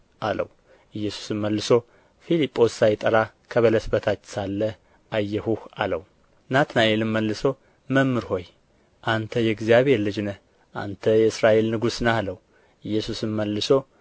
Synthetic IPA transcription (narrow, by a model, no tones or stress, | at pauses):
ʔalə̰w | ʔɨjːɛsu̥sɨmːəlːɨso | filipʼːo̞sːajt̪ʼəɾa | kʰəβələsbət̪ʰat͡ʃːsalːə | ʔajːɛhuha̰ləw | nat̪najelɨmməlːɨso | məmːɨɾho̞j | ʔant̪ʰəjɛɡzijaβe̞ɾlɨd͡ʒnəh | ʔa̰nt̪ʰəjɛɨsɾaʔe̞lnɨɡusnahləw | ɨjːɛsusɨmməlːɨso